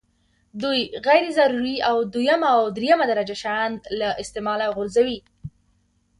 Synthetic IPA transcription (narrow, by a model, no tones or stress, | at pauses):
d̪ujɣajɾezaɾuɾiawd̪ujamaaːwd̪ɾejamad̪aɾad͡ʒaʃand̪laʔɪst̪emɑlaɣʊɾzawi